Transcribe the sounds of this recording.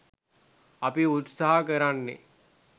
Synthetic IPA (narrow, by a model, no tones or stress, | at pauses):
apiut̪saɦakəɾanːḛ